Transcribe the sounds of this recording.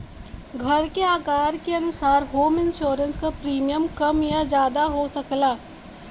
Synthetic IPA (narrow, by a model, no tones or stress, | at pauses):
ɡʱəɾkeaːkaːɾkeənʊsaːɾɦoːmɪnʃoːɾənskapɾiːmijəmkəmjãːd͡ʒjaːd̪aɦoːsəklaː